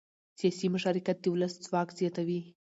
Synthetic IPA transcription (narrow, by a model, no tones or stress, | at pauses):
sjɑsimʊʃɑɾikat̪̚d̪ewləsd͡zwɑkz̥jɑt̪awi